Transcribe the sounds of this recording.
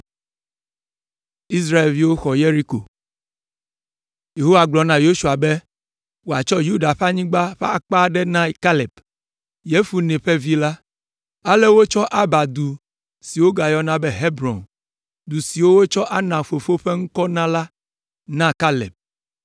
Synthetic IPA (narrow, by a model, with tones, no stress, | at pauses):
i˦s̬ɾa˦e˨lvi˦wo˦xɔ˨je˦ɾi˦ko̰˨ | je˨ɦo˦wa˨ɡ͡blɔ˨nã˨jo˦su˨a˨be˦ | wo˦a˨t͡ʃɔ˦ju˦da˨ɸa˦ɲĩ˦ɡ͡ba˦ɸe˦a˦˨k͡pa˦ɖɛ˦nã˦ka˦lɛ˨b | je˦fu˨nɛ̃˨ɸe˦vi˦la˦ | a˦le˦wo˦t͡ʃɔ˦ʔa˦ba˨d̪u˨ | si˨wo˦ɡa˨jɔ˦nã˦bɛ˦ɦe˦bɾɔ̰̃˨n | d̪u˨si˨wo˦wo˦t͡ʃɔ˦ʔa˦nã˨fo˨fo˦ɸe˦ŋ̩˦kɔ˦nã˦la˦ | nã˦ka˦lḛ˨b̚